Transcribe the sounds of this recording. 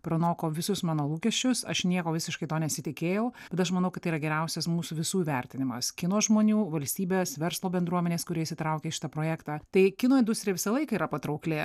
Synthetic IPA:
pɾɐnoːkoːʋʲɪsʊsmɑːnoːlˠuːkʲɛʃʲt͡ʃʲʊsɐ̰ʃnʲiɛkoːʋʲɪsʲɪʃkɐɪt̪oːnʲɛsʲɪt̪ʲɪkʲeːjɛʊbʲɛt̪ɐʃmɐnɐʊkɐt̪ːɐiːɾɐɡʲɛɾʲɛʊsʲɛsmuːsʊʋʲɪsuːʋʲɛɾʲt̪ʲɪnʲɪmɐskʲɪnoːsʒmoːnʲuːʋɐlʲsʲt̪ʲiːbʲeːsʋʲɛɾslˠoːbʲɛnd̪ɾuɔmʲɛnʲeːskʊɾʲiɛɪsʲɪt̪ɾɐʊkʲeːɪʃʲɪ̥t̪ɐpɾoːjæːkt̪ɑːt̪ɐɪkʲɪnoːɪnd̪ʊsʲt̪ɾʲɪjɛʋʲɪsɐlˠɐɪkɐiːɾɐpɐt̪ɾɐʊklʲeː

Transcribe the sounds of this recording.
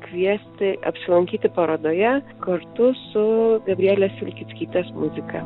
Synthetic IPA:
kʋʲiɛsʲt̪ʲɪɐ̰pʲsʲɪlˠɐŋʲkʲiːt̪ʲɪpɐɾɐd̪oːjɛ | kɐɾt̪ʊsʊɡɐbʲɾʲæːlʲeːsʋʲɪlʲkʲɪt̪ʲkʲiːt̪ʲɛsmʊzʲɪkɐ

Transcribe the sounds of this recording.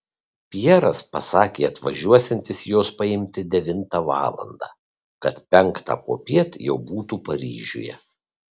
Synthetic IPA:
pʲjɛɾɐspɐsɑːkʲeːɐt̪ʋɐʒʲuɔsʲɛnʲt̪ʲɪsjoːspɐɪmʲt̪ʲɪd̪ʲɛʋʲɪnt̪ɑʋɑ̰ːlˠɐ̰nd̪ɑ̰ː | kɐt̪pʲɛŋˑkt̪ɑ̰ːpo̰ːpʲiɛt̪jɛʊbuːt̪uːpɐɾʲiːʒʲṵːjɛ̰

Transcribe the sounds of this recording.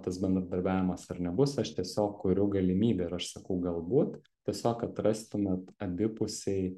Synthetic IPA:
t̪ɐsbʲɛnd̪ɾɐd̪ɐɾʲbʲæːʋʲɪmɐsɐɾnʲɛbʊsɐʃt̪ʲiɛsʲoːkkʊɾʲʊɡɐlʲɪmʲiːbʲeːɪɾɐʃsɐkɐʊɡɐlˠbuːt̪ | t̪ʲiɛsʲoːkɐt̪ɾɐsʲt̪ʲʊmʲɛt̪ɐd̪ʲɪpʊsʲɛɪ

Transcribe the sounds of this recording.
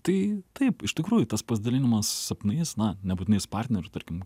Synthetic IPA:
t̪ɐɪt̪ɐɪpɪʃtʲɪkɾuːjʊt̪ɐspɐsʲd̪ɐlʲɪnʲɪmɐssɐpʲnʲɐɪsnɐnʲɛbut̪ʲɪnʲɛɪspɐrʲtʲnʲɛɾʲʊt̪ɐrʲkʲɪm

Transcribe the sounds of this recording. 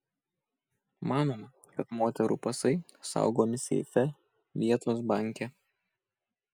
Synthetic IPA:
mɑːnoːmɐ | kɐt̪moːt̪ʲɛɾṵːpɐsɐɪ | sɑ̰ˑʊɡoːmʲɪsʲɛ̰ɪfʲɛ | ʋʲiɛt̪oːs̬bɑˑŋʲkʲɛ

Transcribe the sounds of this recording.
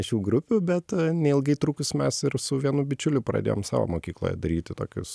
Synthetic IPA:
ʃʲuːɡɾʊpʲʊbʲɛt̪nʲɛɪlˠɡɐɪt̪ɾuːkʊsʲmʲɛsɪrsʊʋʲiɛnubʲɪt͡ʃʲʊlʲʊpɾɐ̰d̪ʲḛːjo̰ːmsɑ̰ːʋo̰ːmoːkʲiːklˠo̰ːjɛ̰d̪ɐɾʲiːt̪ʲɪt̪oːkʲʊ̰s

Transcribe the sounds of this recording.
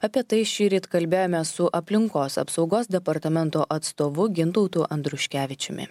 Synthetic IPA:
ɐpʲiɛt̪ɐɪʃʲiːɾʲiːt̪kɐlʲbʲeːjoːmʲɛsʊʔɐpʲlʲɪŋkoːsɐ̰psɒʊɡoːsd̪ʲɛpɐɾt̪ɐmʲɛnt̪oːʔɐt̪st̪oːʋʊɡʲɪnt̪ɔʊt̪uːʔɐnd̪ɾʊʃʲkʲæːʋʲɪt͡ʃʲɛmʲɪ̰

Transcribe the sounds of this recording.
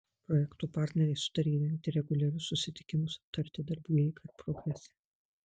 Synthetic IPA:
pɾɔjɛkt̪uːpɑˑɾʲt̪ʲnʲɛɾʲɛɪsʊ̥t̪ɐɾʲiːj̪ʲɐnʲt̪ʲɪɾʲɛɡʊlʲɐɾʲʊssʊsʲɪt̪ʲɪ̥kʲɪmʊsɐ̥p̚t̪ɐɾʲt̪ʲɪd̪ɐɾbʲuːjɛɪkʰɐɾpɾɔɡɾʲɛsʲɛ

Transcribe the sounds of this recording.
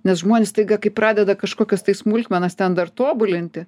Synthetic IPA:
nʲɛsʒmoːnʲɛːst̪ɐɪɡɐkɐɪpɾɑːd̪ʲɛd̪ɐkɐʃkoːkʲɛst̪ɐɪsmulʲkʲmʲɛnɐst̪ʲɛnd̪ɐrt̪oːbʊlʲɪnʲt̪ʲɪ

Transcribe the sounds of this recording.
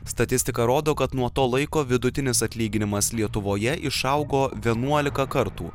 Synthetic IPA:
st̪ɐt̪ʲɪsʲt̪ʲɪkɐɾoːd̪oːkɐt̪nuɔt̪oːlˠɐɪkoːʋʲɪd̪ʊt̪ʲɪnʲɪsɐt̪ʲlʲiːɡʲɪnʲɪmɐslʲiɛt̪ʊʋoːjɛʔɪʃɐʊɡoːʋʲiɛnuɔlʲɪkɐkɐɾt̪uː

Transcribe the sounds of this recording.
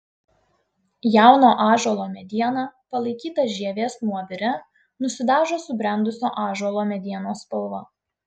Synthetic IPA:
jæˑʊnoːʔɑːʒuɔlˠoːmʲɛd̪ʲiɛnɑpɐlˠɐɪkʲiːt̪ɐʒʲiɛʋʲeːsnuɔʋʲɪɾʲɛ | nʊsʲɪd̪ɑːʒoːsʊbʲɾʲɛnd̪ʊsʲoːʔɑːʒuɔlˠoːmʲɛd̪ʲiɛnoːspɐlˠʋɐ

